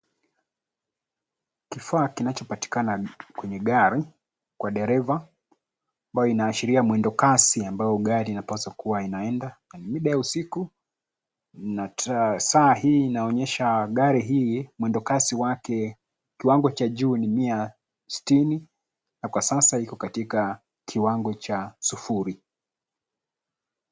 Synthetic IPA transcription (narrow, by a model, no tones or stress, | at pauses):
kifaːkinat͡ʃɔpati̥kanakwɛɲɛɠaɾi | kwaɗɛɾɛva | ambajɔinaːʃiɾiamwɛndɔkasiambajɔɠaɾiːnapasakuwainaɛndananimiɗajausiku | natasaːhiːnaɔɲɛʃaɠaɾiɦiːmwɛndɔkasiwakɛ | kiwaŋɡɔt͡ʃaʄuːnimia | si̥tini | nakwasasaikɔkatika | kʰiwaŋɡɔt͡ʃasufuɾi